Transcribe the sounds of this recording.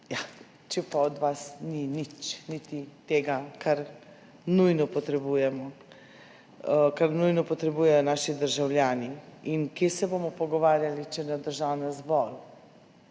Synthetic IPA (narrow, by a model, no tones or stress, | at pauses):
ja | t͡ʃɛpaɔd̪ʋasninit͡ʃnit̪it̪eːɡakʰaɾ | nujnɔpɔt̪ɾɛbuːjɛmɔ | kaɾnujnɔpɔt̪ɾɛbuːjɛjɔnaːʃid̪əɾʒawljaːniinkjeːsɛbomɔpɔɡɔʋaːɾjalit͡ʃɛnad̪əɾʒawnazbɔl